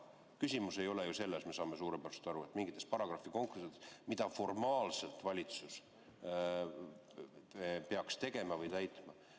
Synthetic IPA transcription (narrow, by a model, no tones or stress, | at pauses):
kysʲimuse̞jo̞lejuse̞lːesme̞sɑːme̞suːɾeb̥æɾse̥t̪ɑɾuet̪ːˑmiŋɡit̪ːˑe̞spɑɾɑɡ̥rɑfːiko̞ŋkusid̪esmid̪̥ɑfo̞rmɑːlse̞lt̪vɑlʲit̪sus | pe̞ɑkst̪e̞ɡe̞mɑvɯjt̪æjt̪ˑmɑ